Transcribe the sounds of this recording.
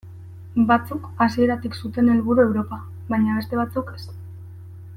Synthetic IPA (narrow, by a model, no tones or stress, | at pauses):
bat͡sukasie̞ɾat̪iksut̪e̞ne̞lβuɾue̞wɾo̞pa | βajɲaβe̞st̪e̞βat͡suke̞s